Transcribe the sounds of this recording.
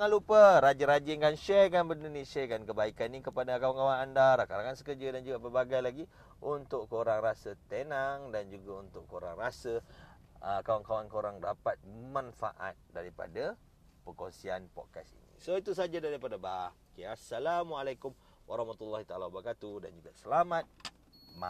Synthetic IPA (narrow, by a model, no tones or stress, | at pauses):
ŋalupəɾad͡ʒaɾad͡ʒɪŋɡanʃakanbərindunẽsakankəbaikanːikəpadakawaŋkawanandaɾakaɾaŋansəkəd͡ʒadand͡ʒuɡapəbaɡajlaɡi | ʔunt̪ʊʔkoɾaŋɾasət̪enaŋdand͡ʒuɡaunt̪ʊʔkːoɾa̰ŋrasə | əkawaŋkawankoɾaŋdapat̪̚manfa̰ʔa̰t̪̚daɾipa̰da | pəkonsianpɔ̰t̚kasḭnḭ̃soit̪usad͡ʒadaɾipadaba | keasalamalajkum | waɾɑhmat̪ulːaɦit̪aalawabəɾkat̪udand͡ʒuɡasəlamãt̪̚ | ma